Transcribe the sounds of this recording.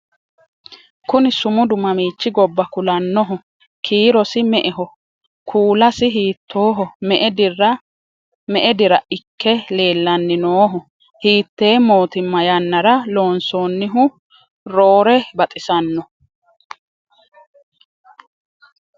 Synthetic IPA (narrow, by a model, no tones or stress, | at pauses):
kʊnɪsʊmʊd̪ʊmɐmiːt͡ʃːɪɡɔbːɐkʊlɐnːɔɦɔ | kʰiːɾɔsɪmɛʔɛɦɔ | kʰuːlɐsɪɦiːt̪ʰːoːɦɔmɛʔɛd̪ɪrːɐ | mɛʔɛd̪ɪɾɐʔɪkʰːɛle̞ːlːɐnːɪnoːɦɔ | hiːt̪ːe̞ːmo̞ːt̪ɪmːɐjɐnːɐɾɐlo̞ːnsoːnːɪɦʊ | ɾoːɾɛbɐt̪ʼɪsɐnːɔ